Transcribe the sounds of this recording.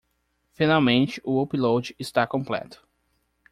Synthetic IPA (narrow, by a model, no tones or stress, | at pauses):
finawmẽnt͡ʃɪʔʊopilowd͡ʒɪɪst̪akõmplɛ̰t̪ʊ̥